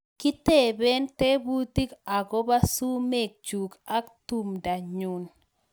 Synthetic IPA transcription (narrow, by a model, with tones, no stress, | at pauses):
ki˦te˦˨be˦nte˦bu˦t̪i˦ka˨ɡo˦ba˦su˦me˦˨k̚d͡ʒu˨ka˦ktu˦mda˨ɲu˨n